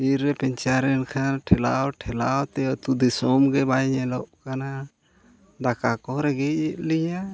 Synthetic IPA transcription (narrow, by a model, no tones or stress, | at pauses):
iɾːɛpɛɲt͡ʃaɾɛnkʰaʈʰɛlawʈʰɛlawt̪ɛɔt̪ud̪isɔmɡɛbajɲɛlɔʔkana | d̪akakɔɾɛɡɛɛʔlija